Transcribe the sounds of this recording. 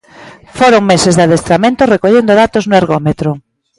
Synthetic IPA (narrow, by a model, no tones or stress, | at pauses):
foɾoŋmesezðaðest̪ɾamẽnt̪ʊrekoʎend̪oðat̪oznʊaɾɣomet̪ɾʊ